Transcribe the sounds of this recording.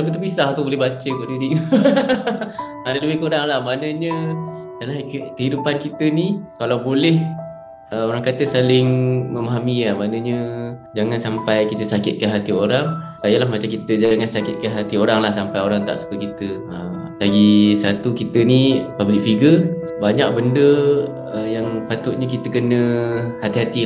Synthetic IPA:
akət̪əpisaht̪ubolɛhbat͡ʃəkodidiʔ̪ | adaləwɪhkoɾaŋlahmanəɲə | jalahkəɦidupankit̪ənikalawbolɛh | əoɾaŋkat̪əsalɪŋməmaɦamiamanəɲəd͡ʒaŋansampajkit̪əsakɪt̪̚kanɦat̪ioɾaŋ | sajalahmat͡ʃamkit̪əd͡ʒaŋansakɪt̪̚kanɦat̪ioɾaŋlahsampajoɾaŋt̪a̰ʔsu̥kəkit̪ə | əm | laɡisat̪ukit̪ənipablɪk̚fiɡə | baɲak̚bəndə | əjaŋpat̪ʊʔ̪̚ɲəkit̪əkənə̃hat̪iɦat̪i

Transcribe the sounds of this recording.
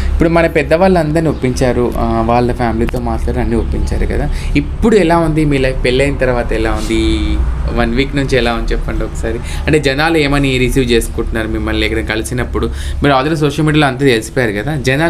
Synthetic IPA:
ipːuɽumɐnɐpɛd̪ːɐʋaːɭːɐnd̪ɐɾniopːiɲt͡ʃaːɾuʋaːɭːɐpʰaːmiliːt̪o̞ːmaːʈlaːɾɐnːiːopːiɲt͡ʃaːɾukɐ̰d̪aːipːuɽuɛlaːund̪imiːɾlɐjɡ̚pelːɐjinɐt̪ɐɾɐʋaːt̪ɐɛlaːund̪i | ʋɐnʋiːknuɲt͡ʃɛlaːunt͡ʃɛpːɐɳʈiɔkɐ̥saːɾi | ɐɳʈe̞ːd͡ʒɛnaːlueːmɐniɾisiːʋt͡ʃe̞ːsu̥kuɳʈunːaːɾumimːɐlːɛːkɐɽɐmkɐlisinɐpːuɽu | miːɾaːld̪ɐɾus̬oːʂɐlmiːɽijaloɐnt̪̬ɐt̪elisi̥pɔːjaːɾukɐd̪aːd͡ʒɛnaː

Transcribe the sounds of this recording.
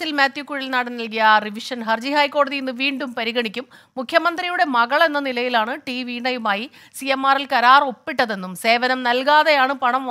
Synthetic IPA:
silmaːt̪jukːuɻilnaːɽinnɐlkijɐriʋiʂɐnɦɐrd͡ʑihajkːo̞ːɽɐðijenːɨʋiːɳɖumpɐɾiɣɐɳikʲːumː | ukʰjɐmɐnd̪rijuɽe̞mɐɣɐɭe̞nːɐnilɐjilaːɳɨʈiʋiɳɐjumaːji | sijemːaːrilkɐɾaːro̞pːiʈːɐðe̞nːumse̞ːʋɐnɐmnɐlkaːðejaːɳɨpɐɳɐm

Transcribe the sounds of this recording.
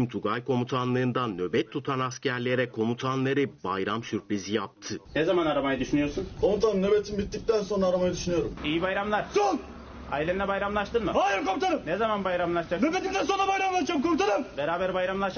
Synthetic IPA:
mt̪ʰuɡajkʰo̞mut̪ʰanlˠɯːnd̪anːø̞bɛt̪ʰːut̪ʰanascʰæɾlʲe̞ɾɛkʰo̞mut̪ʰanlˠaɾɯbajɾamsyɾpɾizijap̚t̪ʰɯnezamanaɾamajɯd̪yʃynyjo̞ɾsunkʰo̞mut̪ʰanɯnːø̞bet̪ʰinbit̪ːic̚t̪ʰænso̞nɾaːɾamajad̪yʃynyjo̞ɾumijibajɾamlˠaɾ̥sul | ailʲeinʲɛbajɾamlˠaʃt̪ɯnmɯhaːjɯɾkomut̪ʰanɯmnezamanbajɾamlˠaʃd͡ʒaknøbet̪it̪ænso̞nɾabajɾamlˠaʃd͡ʒamkʰomut̪ʰanɯmbe̞ɾaːbæɾbajɾamlˠaʃ

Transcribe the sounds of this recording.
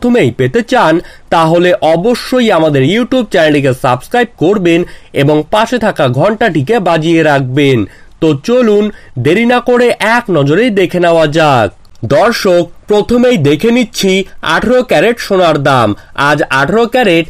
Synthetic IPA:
t̪ʰomejpet̪et͡ɕant̪aɦoleʔɔboʃːojamad̪eɾjuʈjub̚t͡ɕɛnaɖik̬esabskɾajb̚koɾbeneboŋpaʃet̪ʰakaɡʱɔɳʈaʈʰikebad͡ʑieɾak̚ben | t̪ot͡ɕolun | d̪eɾinakoɾeʔɛknɔd͡ʑoɾejd̪ekʰenaoad͡ʑaɡ̚ | d̪ɔɾʃok̚pɾot̪ʰomejd̪ekʰeniːɕʰia̰ʈʰaɾokɛɾeʈʃonaɾd̪ama̰d͡ʑaʈʰaɾokɛɾeʈ̚

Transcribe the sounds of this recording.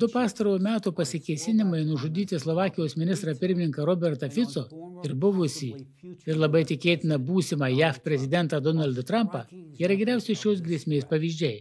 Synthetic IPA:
d̪ʊpɑːst̪ɐɾuːmʲæːt̪uːpɐsʲɪkʲɛɪsʲɪnʲɪmɐɪnʊʒʊd̪ʲiːt̪ʲɪslˠɔʋɑːkʲɪjoːsmʲɪnʲɪst̪ɾɐpʲɪɾʲmʲɪnʲɪŋkɐɾoːbʲɛɾt̪ɐfʲɪt̪soːɪɾbʊʋʊsʲiː | ɪɾlˠɐbɐɪt̪ʲɪkʲeːt̪ʲɪnɐbuːsʲɪmɐjæːfpʲɾʲɛzʲɪd̪ʲɛnt̪ɐd̪ɔnɐlʲd̪ɐt̪ɾɐmpɐiːɾɐɡʲɛɾʲæˑʊsʲɛɪʃʲoːs̬ɡɾʲiɛsʲmʲeːspɐʋʲiːʒʲd͡ʒʲɛɪ

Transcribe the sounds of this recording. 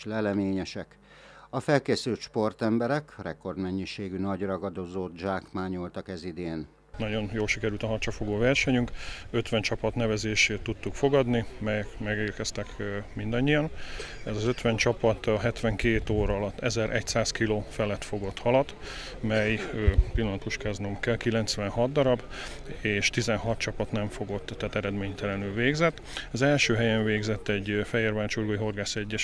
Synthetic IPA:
lɛlɛmeːɲɛʃɛk | ɒfɛlkeːsylt̪ʃpo̞rt̪ɛmbɛɾɛkrɛ̰ko̞rd̪mɛɲːiʃeːɡynɒɟrɒɡɒd̪o̞zoːt̪d͡ʒaːkmaːɲolt̪ɒkɛzid̪eːn | nɒɟo̞njoːlʃikɛɾylt̪ɒɦɒrt͡ʃɒfo̞ɡoːvɛrʃɛɲyŋkøt̪ʋɛnt͡ʃɒpɒt̪nɛvɛzeːʃeːt̪ːut̪ːukfo̞ɡɒd̪nimɛjɛkmɛɡeːrkɛst̪ɛkmind̪ɒɲːijɒnɛzɒzøt̪ʋɛnt͡ʃɒpɒt̪ɦɛt̪ʋɛŋkeːt̪oːɾɒːlɒt̪ːɛzɛɾʔɛ̰csaːskiloːfɛlɛt̪fo̞ɡo̞t̪hɒlɒt̪ | mɛjpilːɒnɒt̪uʃkɛznomkɛlkilɛnt̪sʋɛnɦɒd̪̚d̪ɒɾɒb | eːʃt̪izɛnɦɒt̪t͡ʃɒpɒt̪nɛɱfo̞ɡo̞t̪ːat̪ɛɾɛd̪meːɲt̪ɛlɛnylveːɡzɛt̪ːɒzɛlʃøːɦɛjɛɱveːɡzɛt̪ːɛɟfɛjeːrvaːt͡ʃurɡoiɦo̞rɡaːsɛɟːɛʃ

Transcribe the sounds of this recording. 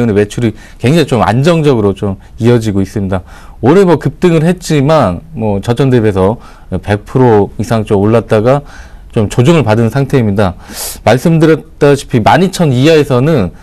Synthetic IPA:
unewe̞t͡ɕʰuɾi | kwe̞ŋd͡ʑaŋit͡ɕoma̰nd͡ʑʌŋd͡ʑʌɡɯɾot͡ɕom | iʌd͡ʑiɡois͈ɯmɲida | onemwʌkɯp̚t͈ɯŋɯɭɦe̞t̚t͡ɕ͈imanmwʌt͡ɕʌt͡ɕʰʌndɯbe̞sʰʌ | pe̞k̚pʰɯɾoisʰaŋt͡ɕomoɭːat̚t͈aɡat͡ɕomt͡ɕod͡ʑoŋɯɭpadɯnsʰaŋtʰe̞imɲidamaɭs͈ɯmdɯɾjʌt̚t͈aɕʰi̥pʰimaɲit͡ɕʰʌniɦaesʰʌnɯn

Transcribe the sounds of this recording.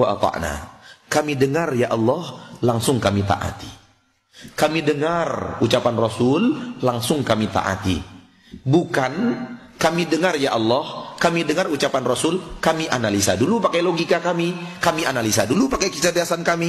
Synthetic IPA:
waʔat̪a̰ʔna̰kamidəŋarjaʔɑlːɔhlaŋsʊŋkamit̪a̰ʔa̰t̪i̥ | kamidəŋarut͡ʃapanrɔsʊllaŋsʊŋkamit̪a̰ʔa̰t̪ḭ | bukankamidəŋarjaʔɑlːɔhkamidəŋarut͡ʃapanrɔsʊlkamiʔanalisadulupakajloɡikakamikamianalisadulupakajkət͡ʃadiasankami

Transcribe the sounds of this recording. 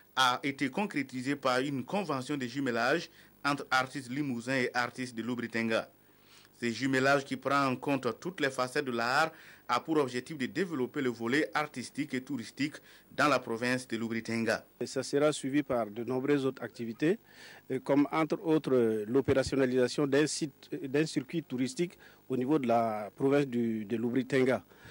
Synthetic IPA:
aet̪ekɔ̃kɾet̪izepaʁynkɔ̃vɑ̃sjɔ̃d̪eʒymelaʒ | ɑ̃t̪ɾaʁt̪ist̪limuzɛ̃eʔaʁt̪ist̪̚d̪əlubɾit̪ɛ̃ŋɡa | sɛʒymelaʒkipɾɑ̃ɑ̃kɔ̃t̪t̪ut̪lɛfasɛt̪̚d̪əlaʁapuɾɔbʒɛk̚t̪ifd̪əd̪evelopeləvoleʔaʁt̪ist̪iket̪uɾist̪ikd̪ɑ̃lapɾɔvɛ̃sd̪əlubɾit̪ɛ̃ŋɡasasəʁasɥivipaʁd̪ənɔ̃bɾøzot̪ɾak̚t̪ivit̪e | kɔmɑ̃t̪ɾot̪ɾəlopeʁasjɔnalizasjɔ̃d̪ɛ̃sit̪d̪ɛ̃syɾkwit̪uɾist̪ik | onivod̪əlapɾovɛ̃sd̪yd̪əlubɾit̪ɛ̃ŋɡa

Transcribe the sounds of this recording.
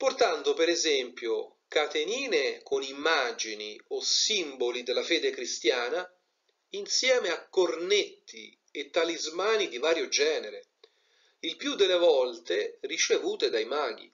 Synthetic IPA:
port̪and̪opeɾezɛmpjo | kat̪eniːnekʰonimːaːd͡ʒiniosimbolid̪elːafeːd̪ekɾist̪jaːna | insjɛːmeakːornet̪ʰːi | et̪ːalizmaːnid̪ivaːɾjod͡ʒɛːneɾe | ilpjud̪ːelːevɔlt̪erit͡ʃevuːt̪ed̪ajmaːɡḭ

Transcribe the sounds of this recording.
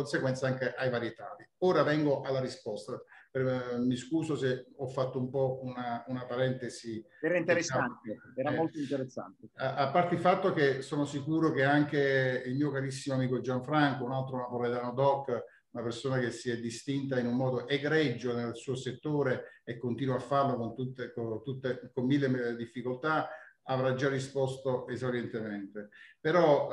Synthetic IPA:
onseɡwɛnt̪saaŋkeʔajvaɾjet̪a̰ːd̪ioːɾavɛŋɡoʔalːaɾispɔst̪apemiskuːsoseɔfːat̪ːoumpɔunaunapaɾɛnt̪eziɛːɾaint̪eɾesant̪eɛːɾamolt̪oint̪eɾesːa̰nt̪eapːart̪eifat̪ːok̟esoːnosikuːɾok̟eaŋkeilmiːokaɾisːimoamiːkod͡ʒaɱfɾaŋkounalt̪ɾonapoɾet̪aːnod̪ɔkː | unapersoːnakesiɛd̪ːist̪int̪̬ainummɔːd̪oʔeɡɾɛd͡ʒːonelsuːoset̪ːoːɾeekːont̪iːnwafːarlokont̪ut̪ːekot̪ut̪ːekomːilːemd̪ifːikolt̪aavɾad͡ʒarːispɔst̪oʔezolɛnt̪ement̪epeɾɔ

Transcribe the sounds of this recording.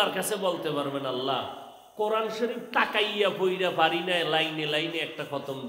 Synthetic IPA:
aɾkat͡sʰebolt̪epaɾbenalːa̰ | koɾanʃoɾip̚ʈakajapojɾapaɾinaelajnelajneɛk̚ʈakʰɔt̪omd̪

